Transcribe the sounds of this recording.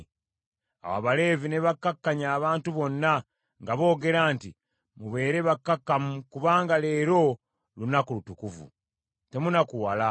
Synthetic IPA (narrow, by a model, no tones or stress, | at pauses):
a̰wa̰βale̞ːvineβakːakːaɲaːβaːntuβo̞nːa | ŋɡaβo̞ːɡe̞ɾaːnti | muβe̞ːɾe̞βakːakːamukuβaːŋɡale̞ːɾo̞ | lunakulutukuvṵ | te̞munakuwala